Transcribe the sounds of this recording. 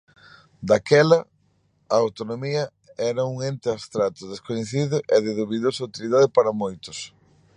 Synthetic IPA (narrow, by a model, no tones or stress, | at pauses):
d̪akɛlɐ | aːwt̪onomiɐ | ɛɾɐuŋent̪ɪast̪ɾat̪ʊðeskoɲeθiðʊʔɛðeðuβeðosɐuwt̪iliðaðɪpaɾɐmojt̪ʊs